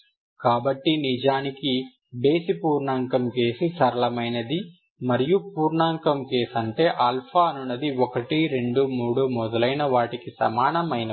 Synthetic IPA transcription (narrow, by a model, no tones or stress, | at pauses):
kaːbɐʈːinid͡ʒaːniki | be̞ːsipuːɾɳaːŋkɐmke̞ːsisɐɾɐlɐmɐjnɐd̪i | mɐɾijupuːɾɳaːŋkɐmke̞ːsɐɳʈe̞ːʔaːlpʰaːɐnunːɐd̪iɔkɐʈiɾe̞ɳɖumuːɽumɔd̪ɐlɐjnɐʋaːʈikisɐ̰maːnɐmɐjnɐ